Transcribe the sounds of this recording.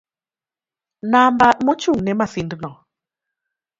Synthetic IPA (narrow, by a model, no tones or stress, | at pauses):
nambamɔt͡ʃuŋnɛmasindnɔ